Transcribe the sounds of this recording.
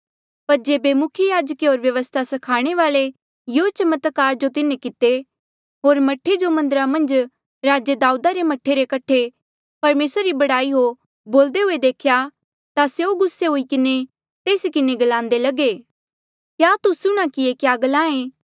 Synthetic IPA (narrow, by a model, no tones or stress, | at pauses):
pɐɾd͡ʒeːbemʊkʰjəjaːd͡ʒəkeɦoːɾʋjɐʋəst̪ʰasɐkʰaːɽ̃eʋaːle | jot͡ʃɐmət̪kaːɾd͡ʒot̪ɪnekɪt̪e | ɦoːɾmɐʈʰːed͡ʒomɐ̃nd̪əɾamɐ̃nd͡ʒ | ɾaːd͡ʒəd̪aːuːd̪aɾemɐʈʰːeɾekɐʈʰe | pɐɾmeːsɾɾibɐɽaːiɦo | boːld̪eɦʊed̪eːkʰja | t̪aseoɡʊsːeɦoikɪne | t̪eːsikɪneɡɐlãːnd̪elɐɡeː | kjaːt̪usʊɽ̃akiekjaːɡɐlãːẽː